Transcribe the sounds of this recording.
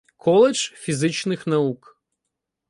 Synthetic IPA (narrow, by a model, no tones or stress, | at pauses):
kʰɔlˠɛʒ̥fʲizɪt͡ʃnɪxnɐuk